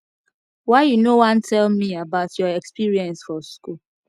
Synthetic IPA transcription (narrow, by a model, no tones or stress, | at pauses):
waɪjunowãntʰɛlmiabaʊtjɔɛkspiɹiɛ̃nsfɔskul